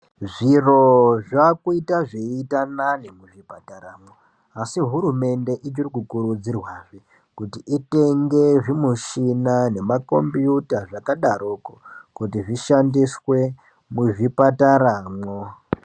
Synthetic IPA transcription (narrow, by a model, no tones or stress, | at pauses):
ʐiroʐakuitaʐeitananemuʐipataɾaːmo | asiɦuɾume̞nde̞ʔit͡ʃirikukuɾud͡zirwaʐi | kutiʔite̞ŋɡe̞ʐimuʃinane̞mako̞mbjutaʐakaɗaɾokokutiʐiʃandiswe̞ | muʐipataɾaːmo